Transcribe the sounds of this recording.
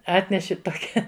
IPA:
ˈɑːtʲnʲɛʃʲɪ toːˈkʲɛ

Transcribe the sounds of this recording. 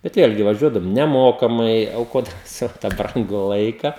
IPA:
bʲɛt ˈʋʲeːlʲɡʲɪ ʋɐˈʒʲuɔdɐʋoːm nʲɛˈmoːkɐmɐɪ ɐʊˈkoːdɐmʲɪ ˈsɑːʋoː tɑː ˈbrɐŋɡʊ ˈlˠɐɪkɐ

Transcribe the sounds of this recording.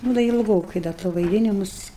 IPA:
ˈnuː dɐ ɪlˠˈɡoːkɐɪ ˈdɐ toː ʋɐɪˈdʲɪnʲɪmʊs

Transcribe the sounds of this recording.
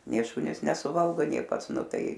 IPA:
nʲeː ˈʃʊnʲiːs nʲɛsʊˈʋɐlˠɡoː nʲeː ˈpɐts ˈnʊ ˈtɐɪ

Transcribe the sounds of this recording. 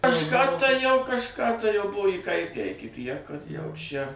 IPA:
kɐʃˈkɑː tɐɪ jɛʊ kɐʃˈkɑː tɐɪ jɛʊ ˈbʊʋoː iːˈkɐɪtʲæː ɪkʲɪ tʲiɛk kɐt jɛʊ ʃʲɛ

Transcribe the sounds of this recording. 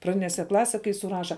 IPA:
prɐˈdʲɪnʲeːsʲɛ ˈklˠɑːsʲɛ kɐɪ sʊˈrɑːʃɐ

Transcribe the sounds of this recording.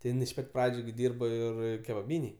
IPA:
tʲɪ ˈjɪn ɪʃ ˈpɐtʲ ˈprɑːd͡ʒʲʊ ɡʲɪ ˈdʲiːrboː ˈɪr kʲɛbɐˈbʲiːnʲeːj

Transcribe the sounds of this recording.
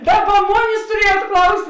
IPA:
ˈdɑːˌbɐ ˈmoːnʲeːs tʊˈrʲiɛjuɔt ˈklˠɐʊsʲtʲ

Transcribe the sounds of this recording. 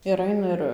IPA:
ɪr ˈɐɪnɐ ɪr

